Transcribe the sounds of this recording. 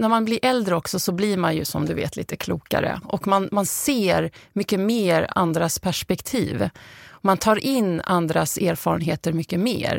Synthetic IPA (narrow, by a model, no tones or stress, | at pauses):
næɾmanblɪɾʔɛld̪ɾəɔksɔsɔbliɾmanjɵ̰sɔ̰md̪ɵvḛːt̪ʰlḭːt̪əkʰluːka̰ɾə̰ʔɔkmanmanseːɾmʏkːəmeːɾa̰nd̪ɾaspʰæʂpɛkt̪ʰḭːvmant̪ʰɑːɾʔɪnːand̪ɾasæːɾfɑːɾə̰nɦeːt̪əɾmʏkːəmḛːɾ